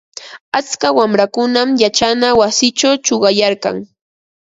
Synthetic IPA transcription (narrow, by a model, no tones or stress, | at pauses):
at͡skawamɾakʊnamjat͡ʃanawasɪt͡ʃawt͡ʃoɢɑjaɾka̰ŋ